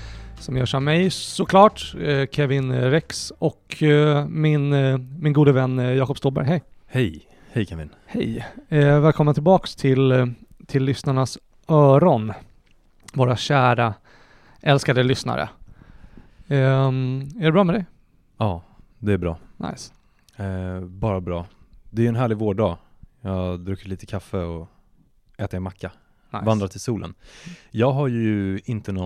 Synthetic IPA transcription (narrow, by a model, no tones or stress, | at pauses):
sɔmjœːʂammːɛjsɔkʰlɑːʈkʰɛvɪnɾɛksɔk | mɪnmɪnɡuːd̪əvɛnːjɑːkɔpst̪uːlbæ̰ɾjhɛjhɛj | hɛjkʰɛvɪ̰n | hɛ̰jvɛːlkʰɔmənɪlbɑːkst̪ʰɪlt̪ʰɪlːʏsnaɳas | œːɾɔn | voːɾaɕæːɾa | ʔɛlskad̪əlʏsna̰ɾə̰ | æɖɛbɾɑːmɛd̪ɛ | ɑː | d̪ɛæbɾɑ̰ːna̰js | bɑːɾabɾɑː | d̪ɛæɾjɵɛnɦæːɭɪɡvoːɖɑːjɑːd̪ɾʉːkːəɭiːt̪əkʰafːəɔ | ɛːt̪əmɛmakʰːa | vand̪ɾat̪ʰɪlsuːlə̰njɑːɡɦaɾjjɵɪnt̪ənɔ